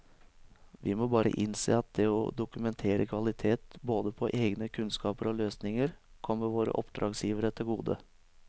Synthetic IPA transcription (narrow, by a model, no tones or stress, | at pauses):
ʋɪ̰mobɑːɾə̰ʔɪnsḛːɑt̪̚d̪ɛɔd̪ʊkʉmɛnt̪ʰeːɾə̰kʰʋɑlɪt̪ʰeːt̪boːd̪əpʰɔʔeːɡnəkʰʉnskɑːpəɾɔløːsnɪŋəɾkʰɔmːəɾʋoːɾə̰ʔɔpd̪ɾɑːɡsjiːʋəɾət̪ʰɪlɡuːd̪ə̰